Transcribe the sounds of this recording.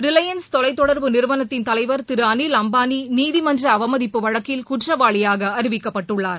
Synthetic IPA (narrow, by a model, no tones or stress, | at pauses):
ɾɪlɐjɐnst̪ɔlɐɪt̪ːɔɽɐɾʋɯnɪɾɯʋɐnɐt̪ːɪnt̪ɐlɐɪʋɐɾt̪ɪɾɯɐnilɐmbaːniniːðimɐndrɐːʋɐmɐðɪpːɯʋɐɻɐkːɪlkʊʈrɐʋaːɭɪjaːɣɐɐɾɪʋɪkːɐpːɐʈːɯɭːaːɾ